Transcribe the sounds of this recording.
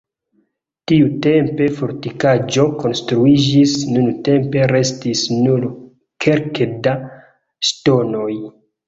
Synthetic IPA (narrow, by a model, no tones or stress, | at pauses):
tiute̞mpe̞fo̞ɾtikad͡ʒo̞ko̞nstɾuid͡ʒisnunte̞mpe̞ɾe̞stisnul | kʰe̞ɾkeda | ʃto̞no̞j